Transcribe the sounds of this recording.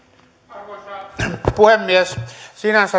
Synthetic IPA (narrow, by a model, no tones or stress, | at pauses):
puhemːiessinæsɑ